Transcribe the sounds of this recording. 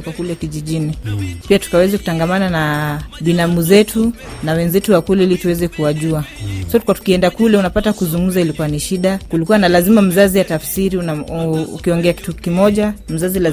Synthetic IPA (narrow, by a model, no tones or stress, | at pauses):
kwakulɛkiʄiʄinipiatu̥kawɛziku̥taŋɡamananaɓinamuzɛtu | nawɛnzɛtuwakulɛilituwɛzɛkuwaʄuasɔkwatu̥kiɛndakulɛunapatakuzuŋɡuzailikuwaniʃiɗakulikuwanalazimam̩zaziwatafsiɾiunaṵkiɔŋɡɛaki̥tukimɔʄam̩zazila